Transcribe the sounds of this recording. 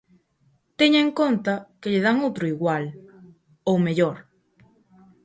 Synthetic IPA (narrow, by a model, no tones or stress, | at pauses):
t̪eɲaẽŋkont̪akeʎeðaŋowt̪ɾʊiɣwal | owmeʎoɾ